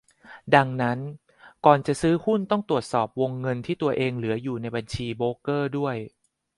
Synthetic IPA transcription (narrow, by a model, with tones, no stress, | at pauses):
da˧ŋna˦˥n | kɔː˨˩nt͡ɕa˨˩sɯː˦˥hu˥˩nt̪ɔ˥˩ŋt̪ɾu˨˩ət̪̚sɔː˨˩p̚wo˧ŋːɤ˧nt̪ʰiː˥˩t̪u˧ɐʔeː˧ŋlɯ˩˦ɐjuː˨˩na˧jba˧nt͡ɕʰiː˧boː˦˥kɤː˥˩du˥˩əj